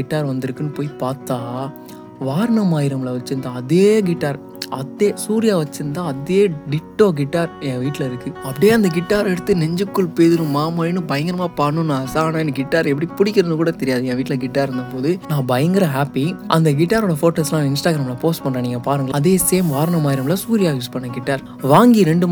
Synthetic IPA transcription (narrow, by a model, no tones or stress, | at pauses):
ɪʈːaːɾʋɐnd̪ɪɾɯkːɯnːɯpoːjipaːɾt̪aː | ʋaːɾɐɳɐmaːɪɾɐmɡɐɭɐʋɐt͡ʃːɯnd̪ãːɐðeːɡɪʈːaːɾ | ʔɐt̪ːeːsuːɾɪjaːʋɐt͡ʃːɯɾɯnd̪ãːɐðeːɖɪʈːõːɡɪʈːaːɾɛ̃ːʋiːʈːɪlɐɪɾɯkːɯɐpːɐɽɪjeːɐnd̪ɐɡɪʈːaːɾɛɽɯt̪ːɯnɛɲd͡ʒɯkːɯɭpeːðɯɾɯ̃maːmɐːjɪnɯ̃bɐjɐŋɡɪɾɐmaːpaːnːɯ̃nãːsaːnaːɪnːɯɡɪʈːaːɾɛpːɐɽipʊɽɪkʲːɪɾɐnɯkuːɽɐt̪ɛɾɪjaːðɯɛ̃ːʋiːʈːɪlɐɡɪʈːaːɾɪɾɯnd̪ɐpoːðɯnãːbɐjɐŋɡɪɾɐ̃ɦaːpːiʔɐnd̪ɐɡɪʈːaːɾoːɽɐfoːʈɐslãːɪnsʈaːɡɾɐmɪlɐpoːsʈpɐɳɾɐ̃niːŋɡɐpaːɾɯŋɡɐɐðeːseːmʋaːɾɐɳɐmaːjɪɾɐmlɐsuːɾɪjaːjuːspɐɳːɐɡɪʈːaːɾ | ʋaːŋɡiɾɛɳɖɯm